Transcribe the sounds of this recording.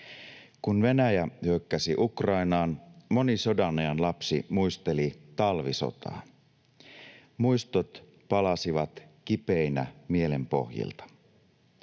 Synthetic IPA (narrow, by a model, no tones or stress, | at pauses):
kunʋe̞næjæhyøkːæsiʔukrɑinɑːnmo̞niso̞dɑnojɑnlɑpsimuist̪e̞lit̪ɑlʋiso̰t̪ɑ̰ː | mujst̪ot̪ | pɑlɑsiʋɑt̪kipeinæ̰mie̞le̞mpo̞̰hjḭlt̪ɑ̥